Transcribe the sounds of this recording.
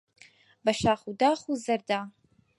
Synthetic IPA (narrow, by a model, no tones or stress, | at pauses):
baʃaχudaχuzɐrda